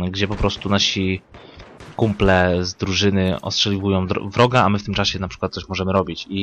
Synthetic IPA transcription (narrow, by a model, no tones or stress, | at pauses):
ɡd͡ʑɛpɔpɾɔst̪unaɕi | kumplɛzd̪ɾuʐɘnɘɔ̰stʂɛlʲivujɔ̃w̃d̪vɾɔɡaamɘft̪ɘmt͡ʂaɕɛnapʂɘkwat̪sɔɕmɔʐɛmɘɾɔbʲit͡ɕi